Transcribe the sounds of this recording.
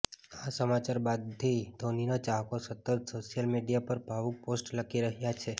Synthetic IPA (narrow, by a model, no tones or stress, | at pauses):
asəmat͡ʃaɾbad̪̚t̪ʰid̪ʱoninat͡ʃaɦkosət̪əd̪soʃijəlmeɖijapəɾbʱaʋuk̚posʈləkʰiɾəɦjat͡ʃʰe